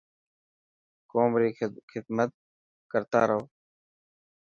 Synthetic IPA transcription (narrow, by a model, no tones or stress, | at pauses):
koːmɾiːxɪd̪mət̪̚ | kəɾt̪a̰ːɾəoː